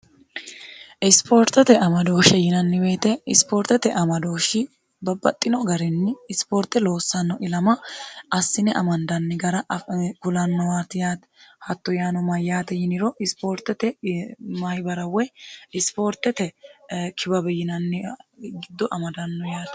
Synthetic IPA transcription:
ɪspoːɾt̪ɛt̪ɛɐmɐd̪o̞ːʃɛjɪnɐnːɪbe̞ːt̪ɛɪspoːɾt̪ɛt̪ɛʔɐmɐd̪o̞ːʃɪ | bɐbɐt̪ʼːɪnɔɡɐɾɛnːɪːspoːɾt̪ːɛlo̞ːsːɐnːɔʔɪlɐmɐɐsːɪnɛʔɐmɐnd̪ɐnːɪɡɐɾɐʔkʊlɐnːɔwaːt̪ɪjaːt̪ɛhɐt̪ːɔjaːnɔmɐjːaːt̪ɛjɪnɪɾɔʔɪspoːɾt̪ɛt̪ɛmɐjbɐɾɐwːɛɪspo̞ːɾt̪ɛt̪ɛkʰɪbɐbɛjɪnɐnːɪɡɪd̪ːɔʔɐmɐd̪ɐnːɔjaːt̪

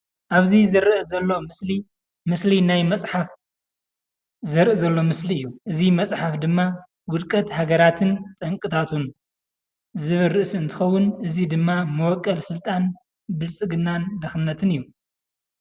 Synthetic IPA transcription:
ʔaβzizɨɾɨʔzɐlːo̞mɨsli | mɨslinajmɐt͡sʼħaf | zɨɾʔɨzɐlːo̞mɨsliɨjːuʔɨzimɐt͡sʼħafd̪ɨmːa | wʊd̪kʼɐt̪haɡɐɾat̪ʰɨnt̪ʼɐŋkʼɨt̪ʰat̪ʰun | zɨβɨɾɨʔsɨnt̪ʰɨxɐwːʊnʔɨzid̪ɨmːamɨwɔkʼːɐlsɨlt̪ʼan | bɨlsʼɨɡɨnːand̪ɐxɨnːɐt̪ʰɨnɨjːu

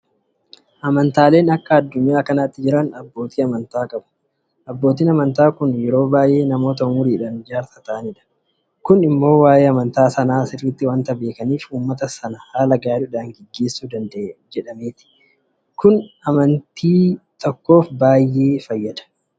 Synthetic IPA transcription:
ʔɐmɐnt̪aːle̞ːnɐkːɐɐd̪ːʊɲːaːkɐnaːt̪ːɪd͡ʒɪɾɐnɐbːo̞ːt̪iːɐmɐnt̪aːkʼɐbɐ̥ | ʔɐbːo̞ːt̪̬iːnɐmɐnt̪aːkʊnjɛɾo̞ːbaːjʔe̞ːnɐmo̞ːt̪̬ɐmʊɾiːᶑɐnd͡ʒaːɾsɐt̪ɐʔɐnɪᶑɐ̥ | kʊnɪmːo̞ːwaːje̞ːɐmɐnt̪aːsɐnaːsɪrːɪt̪ːɪwɐnt̪ɐbe̞ːkɐniːfuːmːɐt̪ɐsɐnɐhaːlɐɡaːɾʊᶑaːŋɡɛɡːe̞ːsːuːd̪ɐnd̪d͡ʒɛᶑɐmeːt̪ɪ̥ | kʊnɐmɐnt̪iːt̪ɔkːo̞ːfbaːjːe̞ːfɐjːɐd̪ɐ̥

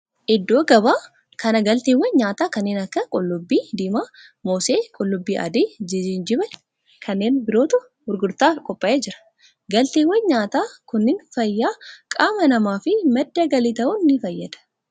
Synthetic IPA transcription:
ʔɪd̪ːo̞ːɡɐbaː | kɐnɐɡɐlt̪eːwːɛnɲaːt̪aːkɐnːeːnɐkːɐkʼʊlːʊbːiːd̪iːmaː | moːseːkʼʊlːʊbːiːʔɐ̰d̪iːd͡ʒɪd͡ʒind͡ʒɪbɐ | kʰɐnːeːnbɪɾo̞ːt̪ʊ | hʊɾɡʊɾt̪aːkʼɔpʼːɐʔeːd͡ʒɪɾɐ̥ | ɡɐlt̪eːwːɛnɲaːt̪aːkʊnːɪnfɐjːaːkʼaːmɐnɐmaːfɪmɐd̪ːɐɡɐlɪːt̪ɐʔʊnːɪfɐjːɐd̪̥ɐ̥

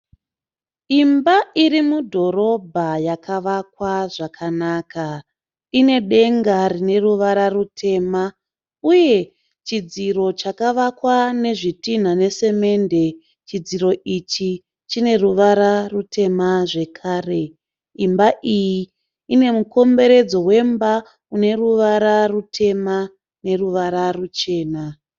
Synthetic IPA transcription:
imbaiɾimudʱo̞ɾo̞bʱajakʰaʋakwaʐakʰanaka | ine̞ɗe̞ŋɡarine̞ruʋaɾarutʰe̞ma | uje̞ | t͡ʃid͡ziɾo̞t͡ʃakaʋakwane̞ʐitin̤ane̞se̞me̞nde̞ | t͡ʃid͡ziɾo̞ʔit͡ʃi | t͡ʃine̞ruʋaɾarutʰe̞maʐe̞kʰaːre̞ | imbaʔiji | ine̞muko̞mbe̞ɾe̞d͡zo̞we̞mba | une̞ruʋaɾarutʰe̞ma | ne̞ruʋaɾarut͡ʃe̞ːna

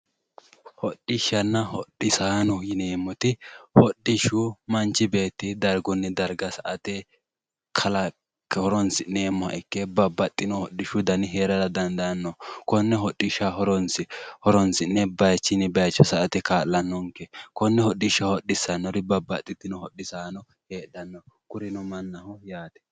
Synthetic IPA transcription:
hɔɗːɪʃːɐnːɐhɔɗɪsaːnɔjɪneːmːɔt̪ɪhɔɗːɪʃʊmɐnt͡ʃːɪbe̞ːt̪ːɪd̪ɐɾɡɔnːɛd̪ɐɾɡɐsɐʔɐt̪ɛ | kʰɐlɐ | khɔɾɔnsɪneːmːɔhɐ̰ʔɪkːɛbɐbːɐt̪ʼːɪnɔhɔɗːɪʃʊd̪ɐnɪɦeːɾɐd̪ɐd̪ɐnd̪ɐnːɔkɔnːɛɦɔɗːɪʃɐɦɔɾɔnsɪhɔɾɔnsɪnːɛbɐjt͡ʃːɪnɪbɐjt͡ʃːɔsɐʔɐt̪ɛkaːlːɐnːɔŋkɛkɔnːɛhɔɗːɪʃːɐhɔɗɪsːɐnːɔɾɪbɐbɐt̪ʼːɪt̪ːɪnɔhɔɗɪsaːnɔ | heːɗɐnːɔkʊɾɪnɔmɐnːɐhɔjaːt̪ɛ̥

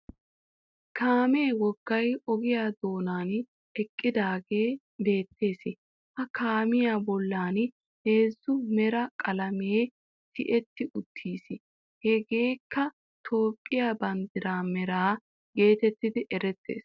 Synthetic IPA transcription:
kʰaːmeːwɔɡ̥ːɐjɔɡɪjaːd̪o̞ːnaːn | ɛkʼːɪd̪aːɡe̞ː | be̞ːt̪ːe̞ːsɪ | ʔɐkaːmɪjaːbɔlːaːn | he̞ːzːʊmɛɾɐkʼɐlɐmeː | t̪ɪʔɛt̪ːɪʔʊt̪ʰːiːsɪ | hɛɡe̞ːkːɐ | t̪ʰo̞ːpʼːɪjaːbɐnd̪ɪɾaːmɛɾaː | ɡe̞ːt̪ɛt̪ːɪd̪ɪʔɛɾɛt̪ːḛːs

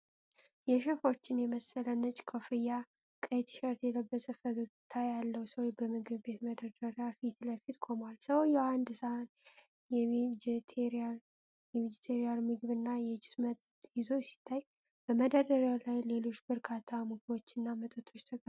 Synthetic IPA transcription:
jɛʃəfo̞t͡ʃːɪnjɛməsːələnət͡ʃʼkʰofɨja | kʼəjt̪ʰʃəɾt̪jɛləbːəsʼəfəɡəɡt̪ʰajalːəwsəwjbəmɨɡɨβbe̞t̪məd̪ədəɾjafit̪ləfit̪kʰo̞mwalsəwjɛand̪ɨsan | jɛd͡ʒt̪ʰeɾal | jɛmid͡ʒit̪ʰeɾijalmɨɡɨβɨnːajɛd͡ʒɪsmət̪ʼət̪jɪzo̞jɛsi̥t̪ʰːaj | b̥əməd̪əd̪əɾjalajle̞lo̞t͡ʃːbɨɾkʰat̪ʰːamɨɡɨbo̞t͡ʃːɨnːamət̪ʼət̪ʰo̞t͡ʃːt̪ʰəɡʼ

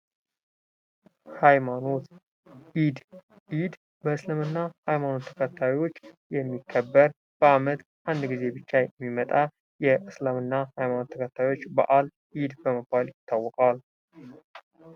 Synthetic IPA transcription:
hajmano̞t̪ | id̪ | ʔid̪ | bəɨslɨmɨnːahajmano̞t̪ʰːəkʰət̪ʰːawjwo̞t͡ʃːjɛmːikʰːəbːəɾ | b̥əamət̪ | ʔand̪ɡize̞bɨt͡ʃːajɛmːimət̪ʼa | jɛʔɨslamɨnːahajmano̞t̪ʰːəkʰət̪ʰːajo̞t͡ʃːba̰ʔal | ʔid̪bəməbːaljɪt̪ʰːawːɔkʼal

